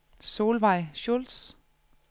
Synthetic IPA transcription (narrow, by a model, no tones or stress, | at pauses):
so̝ːlʋɑ̈ɪɕols